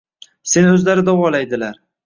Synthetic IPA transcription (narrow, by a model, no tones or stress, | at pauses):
se̞nɵzlaɾɪd̪ɒwɒlajd̪ɪlaɾ